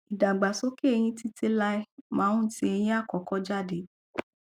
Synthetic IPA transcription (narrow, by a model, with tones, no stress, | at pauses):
i˨da˨ɡ͡ba˨so˨˦ke˦e˧j̃ĩ˧ti˦tʰe˦la˧i˦mãː˨˦ũ˦ti˧˦e˧j̃ĩ˦a˦˨kɔ˨˦kɔ˦d͡ʒa˦˨de˨˦